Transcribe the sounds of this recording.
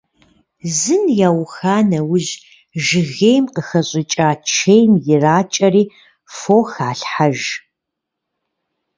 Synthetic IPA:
zɨnjaːwxaːnɐwʊʑ | ʒɨɣejmqəxɐɕʼɪt͡ʃʼaːt͡ʃʰejmjɪraːt͡ʃʼɐriː | foːxaːɬħaʒ

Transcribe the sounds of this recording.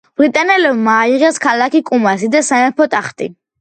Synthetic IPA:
b̥ɾit̪ʼanɛlɛbmaːiʁɛskʰalakikʼumasid̪asanɛpʰɔt̪ʼaχt̪ʼḭ

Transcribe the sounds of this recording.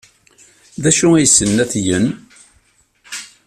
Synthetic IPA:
ðæʃuæjəsːənːæθjən

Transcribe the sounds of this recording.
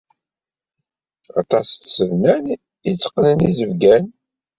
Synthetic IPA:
ɑ̰t̪ɑst̪səvnæn | it͡sːə̥qːnənizəvɡæn

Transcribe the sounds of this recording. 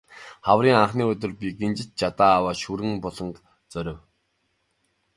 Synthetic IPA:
χawriːŋaχniːɵt̪̬ʲɵ̆rpʲiɡent͡ɕɪ̆t͡ɕ̚t͡ɕat̪aːwaːʃuɾɘ̆ŋpɔɮɞ̆nt̪ | t͡sœɾʲɪ̆w

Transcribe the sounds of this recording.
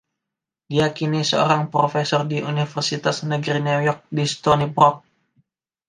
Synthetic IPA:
dijakinisəo̰ɾaŋpɾofesɔrdiʔunifərsit̪asnəɡɾinujɔk̚dist̪ɔnipɾɔk̚

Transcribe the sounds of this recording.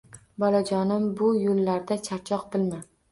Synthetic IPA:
bɒlad͡ʒɒnɪmbʊjolːaɾd̪at͡ʃʰaɾt͡ʃʰɒq̚bɪlma

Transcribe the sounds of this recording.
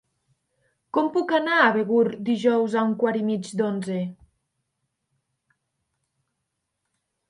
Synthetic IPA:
kɔmpukanaːβeɣuɾd̪iʒɔwzauŋkwaɾimid͡ʒd̪onze

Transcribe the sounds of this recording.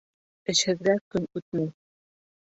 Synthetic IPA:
ɘ̆ʃhɘ̆ðɡækɵnʉt̪̚mæj

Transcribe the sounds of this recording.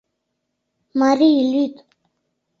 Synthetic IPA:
mariilit̪

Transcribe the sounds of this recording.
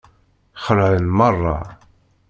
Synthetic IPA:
χəɾʕənmərˤːɑ̰

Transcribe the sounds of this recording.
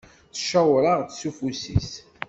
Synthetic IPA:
θə̥ʃæwɾəʁt͡ssufusḭs

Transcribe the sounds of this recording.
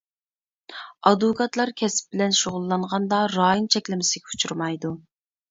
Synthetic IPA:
ɑd̪ʊkʰɑt̪lˠɑɾkʲʰɛsɪ̥p̚bɪlɛnʃoʁʊlˠːɑɴʁɑnd̪ɑɾɑːjint͡ʃʰɛkʲlɪmɪsɪɡʲɛu̥t͡ʃʰuɾmɑjd̪u

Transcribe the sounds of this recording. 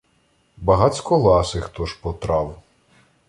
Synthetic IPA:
bɐɦɑt͡sʲkɔlˠɑsɪxt̪ɔʃpɔt̪ɾɑw

